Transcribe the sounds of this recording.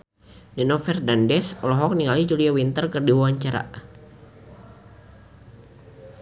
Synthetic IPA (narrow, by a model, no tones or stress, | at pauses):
dɛnɔfɛrdandɛsɔlɔɦɔk̚niŋalid͡ʒuliawint̪ərkərdiwawaɲt͡ʃaɾa̰